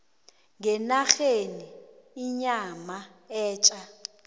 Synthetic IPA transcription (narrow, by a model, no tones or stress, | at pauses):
ŋɛnaxeniːɲama | ɛːt͡ʃʼa